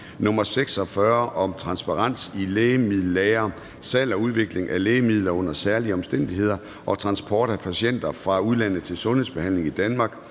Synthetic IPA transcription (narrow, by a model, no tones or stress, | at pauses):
nɔ̽mɐseɡ̥sɒ̽fɶɐʔɒ̽mt͡sʰʁɑ̈nsb̥ɑ̈ʁɑ̈n̰sileːmið̰ˠlɛːɐ | sɛlɒuð̞ˠʋe̝ɡ̥le̝ŋʔæleːmið̞̰ˠlɐɔ̽n̰ɐsæɐliəɒ̽msd̥en̰d̥iɦe̝ð̰ˠɐ | ʔɒ̽t͡sʰʁɑ̈nsb̥ʰɒːɾ̥æpʰæɕen̰d̥ɐfʁɑ̈uð̞ˠlæn̰ð̩ˠt͡sʰe̝lsɔ̽nhe̝̰sb̥e̝hæn̰le̝ŋid̥ænmɑ̈ːɡ̥